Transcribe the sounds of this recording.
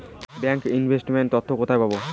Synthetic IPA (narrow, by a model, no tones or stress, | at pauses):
bɛŋkinbʱesʈmeɳʈ̚t̪ɔt̪ʰːokot̪ʰaepabo